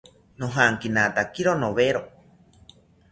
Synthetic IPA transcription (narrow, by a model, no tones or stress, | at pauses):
noɦaŋkinat̪akiɾonoβeɾo